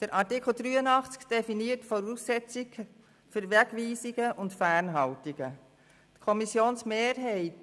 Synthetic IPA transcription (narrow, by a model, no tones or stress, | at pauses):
d̥əɾʔɑrtikl̩ˠd̪ɾyːənɑχt͡skd̥ɛfiniːətfɔɾuːsɛt͡siɡ | fʏɾʋɛɡʋiːsiɡəʔʊntfæːɾnɦɑltiɡ̥ə | tkʰɔmisjoːnsmeːɾɦɛɪt